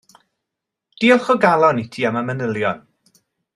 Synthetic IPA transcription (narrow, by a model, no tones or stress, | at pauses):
d̥iɔχɔɡalˠɔnitʰiːamamənəlˠjɔn